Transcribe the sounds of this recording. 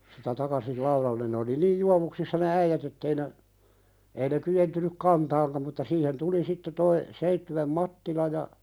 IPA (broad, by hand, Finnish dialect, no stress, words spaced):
sitæ tɑkɑsil lɑuɾɑlːen ne oli niːj juɑʋuksisːɑ ne æijæt etːei ne ei ne kyentynyk kɑntɑːŋkɑm mutːɑ siːhen tuli sitːe toi seitːywem mɑtːilɑ jɑ